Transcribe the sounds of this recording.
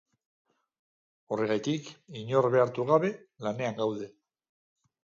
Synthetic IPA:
o̞re̞ɣajt̪ikiɲo̞ɾβe̞aɾt̪uɣaβe̞lane̞aŋɡawðe̞

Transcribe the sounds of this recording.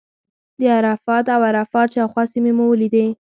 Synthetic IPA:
d̪əaɾafɑt̪awaɾafɑt̪ʃɑwxwɑsimemuwəlid̪e

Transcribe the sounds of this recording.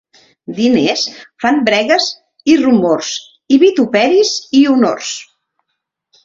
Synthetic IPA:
d̪inesfambɾɛɣəz | irumors | iβit̪upɛɾiziuno̰rs

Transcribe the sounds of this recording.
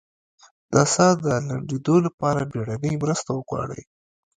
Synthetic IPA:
d̪̥asɑd̪əlaɳdid̪olapɑɾabeɽanəjmɾəst̪awəɡwɑ̰ɽə̰j

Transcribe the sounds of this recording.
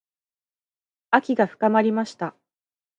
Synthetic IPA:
akʲiɡaɸɯ̟̥kamaɾʲimaɕi̥t̪a

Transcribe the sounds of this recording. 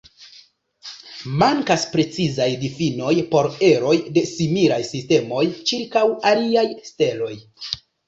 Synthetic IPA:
maŋkaspɾe̞t͡sizajdifino̞jpo̞ɾe̞ɾo̞jde̞similajsiste̞mo̞jt͡ʃiɾkawaliajste̞lo̞j

